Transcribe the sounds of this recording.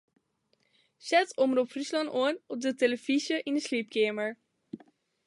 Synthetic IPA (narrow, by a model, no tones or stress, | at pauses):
sɛtoməɾɔpfryslɑnoənɔp̚dəteləfisjəʔinəslip̚kʰeːməɹ